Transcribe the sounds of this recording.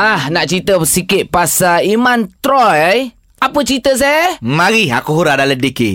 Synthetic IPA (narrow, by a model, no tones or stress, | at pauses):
ahnaʔt͡ʃit̪əəsikɪt̪̚pasaimãnt̪ɾɔjaj | apət͡ʃit̪əs̬ajamaɾia̰kuɦuɾadalədiki